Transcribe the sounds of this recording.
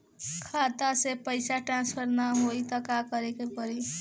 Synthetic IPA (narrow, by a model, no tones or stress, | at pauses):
kʰat̪asepəjsaʈɾãnspʰʌɾnaɦojt̪ʌkakʌɾekepʌɾi